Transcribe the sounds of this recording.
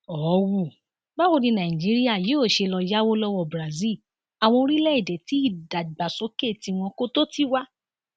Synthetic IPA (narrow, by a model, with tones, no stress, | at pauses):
ɔ˨˦wu˦˨ | ba˦wo˦˧dĩ˧nã˨ĩ˨d͡ʒi˨˦ɾi˦a˦˨jo˦˨ʃe˧lɔ˧˦ja˦wo˦lɔ˦wɔ˦˨bɾa˨zi˦˨ | a˨w̃ɔ̃˧o˧ɾi˦lɛ˦i˦˨dɛ˨ti˨˦i˦˨da˨ɡ͡ba˨sɔ˨˦ke˦˨ti˧w̃ɔ̃˧ko˦to˦ti˦wa˦